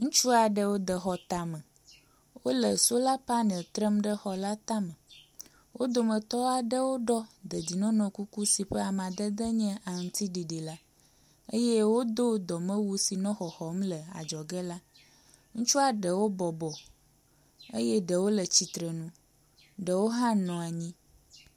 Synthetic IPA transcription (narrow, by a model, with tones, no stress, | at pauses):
ŋũ˦t͡ʃu˦a˨ɖə˦wo˦d̪ə˨xɔ˨t̪a˨mə˨ | wo˦lə˨so˦la˦pa˦nə̃˨t̪ɾə˦mɖə˦xɔ˨la˦t̪a˦mə̃˨ | wo˦d̪o˨mə̃˨t̪ɔ˦a˨ɖə˦wo˦ɖɔ˦d̪ə˨d̪i˨nɔ̃˦nɔ̃˨ku˦ku˦si˨ɸə˦a˨m˨ã˨d̪ə˦d̪ə˦ɲɛ̃˦ʔa˨ŋũ˨t̪i˦ɖi˨ɖi˨la˦ | e˦jɛ˦wo˦d̪o˦d̪ɔ˨mə̃˦wu˦si˨nɔ̃˦xɔ˨xɔ˨mlə˨a̰˨d͡ʒɔ˨ɡə˦la˦ | ŋũ˦t͡ʃu˦a˨ɖə˨wo˦bɔ˨bɔ˨ | ḛ˦jɛ˦ɖə˨wo˦lə˨t͡ɕi˨t̪ɾə˨nũ˦ | ɖə˨wo˦ɦã˦nɔ̃˨a˨ɲĩ˦